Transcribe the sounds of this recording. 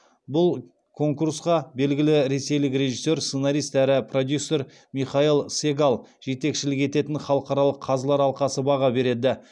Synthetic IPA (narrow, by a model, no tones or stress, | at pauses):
bʊlˠ | kʰo̞ŋkuɾsqɑbe̞lɡʲɪlɪɾe̞se̞jlɪkɾe̞ʒisːo̞ɾsenɑɾijst̪æɾɪpro̞d̪ʲjusːo̞ɾ | miχɑilˠse̞ɡalˠ | ʒ̥e̞t̪e̞kʃɪlɪke̞t̪e̞t̪ɪnχɑlˠəqɑɾɑlˠəqʰːɑzlˠɑɾɑlˠqɑsəbɑʁɑbe̞ɾe̞d̪ɪ